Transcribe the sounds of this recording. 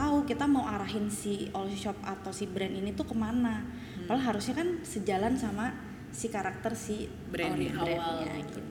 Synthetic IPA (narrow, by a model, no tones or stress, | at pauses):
t̪aukit̪amauaɾaɦɪnsiɔlʃɔp̚at̪awsibɾɛninit̪ukəmana | walaɦaɾʊsɲakansəd͡ʒalansama | sikaɾak̚t̪ərsi | bɾɛbɾɛnɲa̰ɡit̪